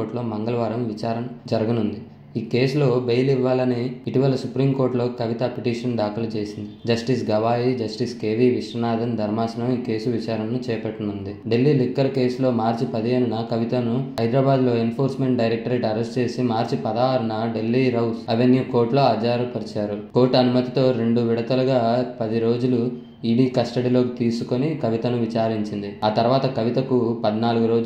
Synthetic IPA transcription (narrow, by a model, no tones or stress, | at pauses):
oːɾʈlo̞ːmɐŋɡɐlɐʋaːɾɐmʋit͡ʃaːɾɐmd͡ʒɐɾɐɡɐnund̪i | iːke̞ːsulo̞ːbejliʋːaːlɐniːʈiʋɐlɐsupɾiːmko̞ːɾʈloːkɐʋit̪ɐpiʈiːʂɐnɖaːkulɐt͡ʃe̞ːsind̪id͡ʒɐsʈis̬ɡɐʋaːjid͡ʒɐsʈiskeːʋiːʋiʂɾɐnaːd̪ɐnd̪ʱɐɾmaːsɐnɐmiːke̞ːsuʋit͡ʃaːɾɐmnut͡ʃɛːɐpɐʈːɐnund̪iɖe̞lːiːlikːɐɾke̞ːslo̞ːmaːɾt͡ʃipɐd̪ieːnunɐkɐʋit̪ɐnuɐjd̪ɾaːbaːd̪lo̞ːenpʰo̞ːɾsme̞ɳʈɖɐjɾek̚ʈɐɾeːʈɐɾesʈt͡ʃe̞ːsimaːɾt͡ʃipɐd̪aːʋɐɾɐnɐɖe̞lːiːɾɐwsɐʋenjuːko̞ːʈlo̞ːɐd͡ʒaːɾupɐɾit͡ʃaːɾuko̞ːʈɐnumɐt̪it̪o̞ːɾe̞ɳɖuʋiɽɐt̪ɐlɐɡaːpɐd̪iɾo̞ːd͡ʒulu | iːɽiːkɐsʈɐɽilo̞ːkit̪iːsuko̞nikɐʋit̪ɐnuʋit͡ʃaːɾiɲt͡ʃind̪iaːt̪ɐɾuʋaːt̪ɐkɐʋit̪ɐkupɐd̪naːluɡuɾo̞ːd͡ʒ